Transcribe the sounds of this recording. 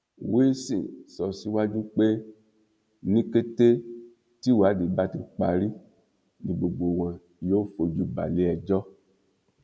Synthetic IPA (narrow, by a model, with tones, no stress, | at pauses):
we˦sḭ̃˨sɔ˨si˦wa˦d͡ʒu˦k͡pe˦ | nĩ˦ke˦te˦ | ti˦wa˨˦di˨ba˦ti˧k͡pa˨ɾi˦ | nĩ˨ɡ͡bo˨ɡ͡bo˨wɛ̃˨ | jo˦fo˨d͡ʒu˦ba̰˨le˨˦ɛ˨d͡ʒɔ˦